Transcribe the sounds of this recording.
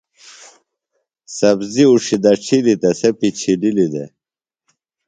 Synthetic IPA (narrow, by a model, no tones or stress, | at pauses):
sɐbziuʂid̪ɐʈ͡ʂʰilit̪ɐsepit͡ɕʰililid̪ḛ